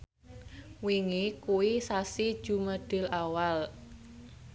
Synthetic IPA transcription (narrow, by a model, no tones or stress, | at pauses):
wiŋikuwisasid̥ʒ̥ṳməɖ̪̥ɪ̤lawal